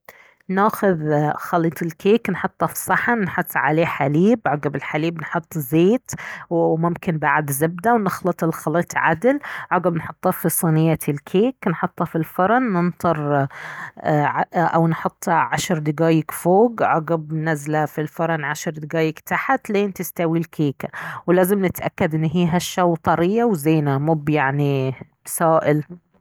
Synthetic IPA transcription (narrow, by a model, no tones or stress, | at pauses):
naːxʊðxɑliːt̪ˤɪlkeːknħʊt̪ˤːɑfi̥sˤɑħannħʊt̪ˤːʕa̰leːħaliːbʕɑɡɪbɪlħaliːbnħʊt̪ˤːzeːt̪wmʊmkɪnbaʕd̪zɪb̚d̪awnɪxlɑt̪ˤɪlxɑliːt̪ˤʕa̰d̪ɪlʕɑɡɪbnħʊt̪ˤːɑfisˤiːnɪjːalkʰeːknħʊt̪ˤːɑfilfɑɾˤɑnːɪnt̪ˤɑɾˤ | ʕʔawnħʊt̪ˤːɑʕaʃɾd̪ɪɡaːjɪkfoːɡʕɑɡɪbnazlafilfɑɾˤɑnʕaʃɾd̪ɪɡaːjɪkt̪aħat̪leːnt̪ɪst̪awilkʰeːkawlaːzɪmnɪt̪ʔa̰kːad̪ʔɪnːɦiːɦaʃːawt̪ˤɑɾɪjːawzeːnamʊbjaʕni | saːʔɪl